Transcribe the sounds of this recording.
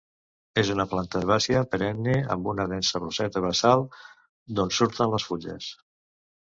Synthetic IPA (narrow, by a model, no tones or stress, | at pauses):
ezunəplant̪əðeβasiəpəɾɛnːiə̰mbunəðɛnsəruzɛt̪əβəsalˠ | d̪onsuɾt̪ənləsfuʎə̰s